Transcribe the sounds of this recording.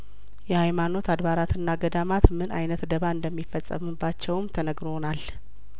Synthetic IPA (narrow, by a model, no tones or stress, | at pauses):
jɛhajmano̞t̪ʰad̪βaɾat̪ɨnːaɡəd̪amat̪mɨna̰jnət̪d̪əβaɨnd̪əmːifːəsʼːə̰mɨbːat͡ʃːɛwmt̪ʰənəɡɾo̞nal